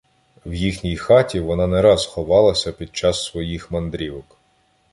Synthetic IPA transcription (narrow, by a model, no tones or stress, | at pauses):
wjixnʲijxɑtʲiʋɔnɑnɛɾɑzxɔʋɑlˠɐsʲɐpʲid̪̚t͡ʃɑsːʋɔjixmɐnd̪ɾʲiʋɔk